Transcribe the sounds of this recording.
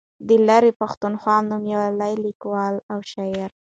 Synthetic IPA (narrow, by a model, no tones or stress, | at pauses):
d̪əlaɾepaxt̪unxwɑnumjawalajlikwɑlawʃajaɾ